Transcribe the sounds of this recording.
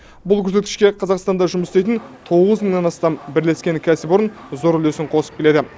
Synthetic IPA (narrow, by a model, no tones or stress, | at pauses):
bʊlˠkʲʰɵɾse̞t̪̚kʲɪ̥ʃkʲe̞qʰɑzɑqst̪ɑnd̪ɑʒʊməst̪ejt̪ɪnt̪ʰo̞ʁəzməɴnɑnɑst̪ɑmbɪɾle̞skʲe̞ŋkʲʰæsɪbʊɾʊnzo̞ɾʏle̞sɪɴqʰo̞sə̥pk̪ʲʰe̞d̪ɪ